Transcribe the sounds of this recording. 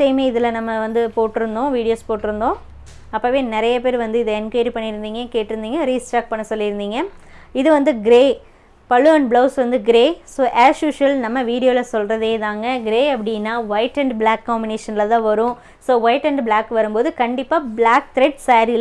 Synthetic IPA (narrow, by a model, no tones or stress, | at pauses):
semeːɪðɪlɐnɐmːɐʋɐnd̪ɯpoːʈːɯɾɯnd̪õːʋiːɽɪjoːspoːʈːɪɾɯnd̪õː | ɐpːɐːʋeːnɪɾɐjɐp̬eːɾʋɐnd̪ɯɪðɐɪnkɐɪɾipɐɳːɪɾɯnd̪iːŋɡɐkeːʈːɪɾɯnd̪iːŋɡɐɾiːsʈaːk̚pɐɳːɐsɔlːɪɾɯnd̪iːŋɡɐɪðɯʋɐnd̪ɯɡɪɾeː | pɐlːɯɐɳɖblɐʊsʋɐnd̪ɯɡɪɾeːsoːʔaːʃjuːʂɐlnɐmːɐʋiːɽɪjoːlɐsɔlrɐðeːðaːŋɡɐɡɪɾeːɐpːɐɽɪnːaːʋɐɪʈɐɳɖblaːkːaːmbɪneːʂɐnlɐt̪ãːʋɐɾʊ̃ | soːʋɐɪʈɐɳɖblaːkːʋɐɾɯmboːðɯkɐɳɖɪpːaːbɭaːk̚t̪ɾɛʈsaːɾl